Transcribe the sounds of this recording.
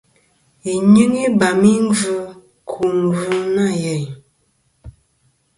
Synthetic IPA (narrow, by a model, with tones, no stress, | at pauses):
i˨ɲɨ˦ŋi˦ba˨mi˦ŋ˦vu˦ | kʰu˨ŋ˨ɡu˦na˦˨jɛ˨j